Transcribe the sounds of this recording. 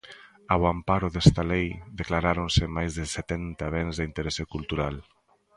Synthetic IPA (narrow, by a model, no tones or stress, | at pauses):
aβwampaɾoðest̪alejd̪eklaɾaɾonsemajzðeset̪ɛnt̪aβenzðint̪eɾesekulˠt̪uɾal